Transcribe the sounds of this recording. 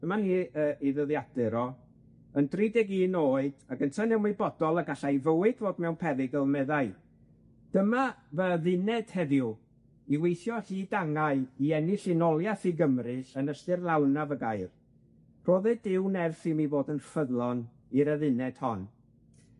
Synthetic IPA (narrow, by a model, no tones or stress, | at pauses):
d̥əmaniːəːʔiðəðjad̥ɛɾɔ | əndriːdɛɡiːnoːɨd̥aɡəntʰanɛwmibɔdɔlˠəɡaɬajvəwɨd̥voːdmɛwnpʰɛvɪɡəlˠmɛðaɨ | d̥əmavəðɪnɛd̥hɛðju | iwejθjɔhiːdaŋaɨiɛnɪɬɪnɔlˠjaθiɡəmrɨɬənəstɨrlˠawnavəɡajr | r̥oːðɛdɪwnɛrθimivoːdənfəðlˠɔn | iɾəðɪnɛd̥hɔn